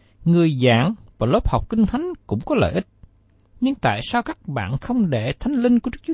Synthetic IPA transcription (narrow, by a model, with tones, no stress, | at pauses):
ŋɨ˨˩əjza̰ː˧˨ŋvaː˨˩lo˦˥p̚hɔ˨˩wk͡p̚ki˧ŋ̟t̪ʰa˨˦jŋ̟kʊ̰˧˥ŋ͡mkɔ˨˦lə̰ː˧˨jʔi˦˥t̚ | ɲɨ˧ŋt̪a̰ː˧˨jsaː˧wkaː˦˥k̚ɓa̰ː˧˨nxə˧wŋ͡mɗe˧˩t̪ʰa˨˦jŋ̟lï˧ŋ̟ku˧˩ɨ˦˥k̚t͡ɕː